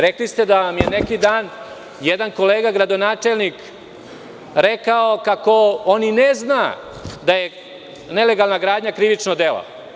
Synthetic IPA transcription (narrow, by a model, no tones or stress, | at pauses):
ɾeklist̪e̞d̪aʋamjenekid̪aːn | jed̪anko̞leːɡaɡɾad̪o̞naːt͡ʂelnik | ɾekaokako̞onineznaː | d̪aje̞ | ne̞le̞ɡalˠnaɡɾaːd̪ɲakɾiʋit͡ʂnod̪ela̰